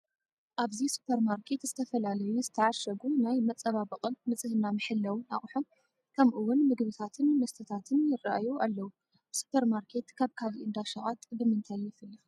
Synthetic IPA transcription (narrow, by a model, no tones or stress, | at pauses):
ʔaβzisu̥pʰɐɾmaɾkʰe̞t̪z̥ɨt̪ʰɐfɐlalɐjuzɨt̪ʰɐʕaʃɐɡunajmɐt͡sʼːɐβabɐqʼɐmmɨt͡sʼɨhɨnamɨħɨlːɐwɨna̰χʼħom | kʰɐmʔɨwːʊnmɨɡβɨt̪ʰat̪ʰɨnmɐst̪ʰɨt̪ʰat̪ʰɨnjɪraʔajuʔalːɐwu | su̥pʰɐɾmaɾkʰe̞t̪kʰaβkʰaβiʔɨnd̪aʃɐɣʼat̪ʼbɨmɨnt̪ʰajːɪfɨlːɐ